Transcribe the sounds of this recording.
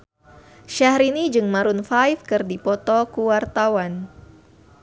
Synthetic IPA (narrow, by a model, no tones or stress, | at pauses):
ʃaɦɾinid͡ʒɨŋmaɾunfajfkɨrdipɔt̪ɔkuwart̪awan